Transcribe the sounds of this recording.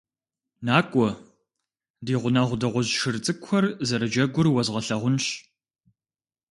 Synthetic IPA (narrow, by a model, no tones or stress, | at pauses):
naːkʷʼɔ | diːʁʷʊnaʁʷʊdɐʁʷʊʑʃɨrt͡sʼɨkʷxʰʷɐrzɐɾɨd͡ʒɐɡʷʊrwɐzʁɐɬɐʁʷʊnɕ